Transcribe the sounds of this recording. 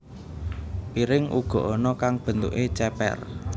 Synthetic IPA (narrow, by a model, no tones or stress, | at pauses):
piɾɪŋʔṵɡ̥ɔ̤ʔɔnɔkaŋb̥ə̤nt̪ṵʔet͡ʃɛpɛ̰r